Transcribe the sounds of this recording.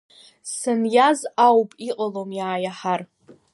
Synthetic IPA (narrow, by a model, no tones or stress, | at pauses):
sɨnjazawpʼiqʼalomjaːjaħar